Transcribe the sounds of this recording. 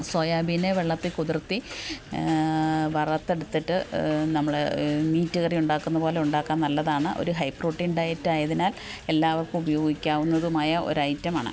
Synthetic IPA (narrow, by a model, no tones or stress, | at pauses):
soːjaːbʱine̞ʋeɭːɐt̪ːikuðirt̪ːi | ʋɐrɐt̪ːe̞ɽut̪ːiʈːɨnɐmːɐɭemiːtːuɣɐrijuɳɖaːkːunːɐpo̞ːle̞uɳɖaːkːaːnnːɐlːɐðaːɳɨʔo̞̰ɾuɦɐjpːro̞ːʈːinɖɐjɐtːaːjɐðinaːle̞lːaːʋɐrkɨmubɐjo̞ːɡikʲːaːʋunːɐðumaːjɐʔo̞̰ɾɐjtːɐmaːɳɨ̰